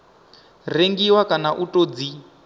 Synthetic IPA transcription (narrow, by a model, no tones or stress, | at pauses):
reŋɡiwakanaʔutʼod͡zi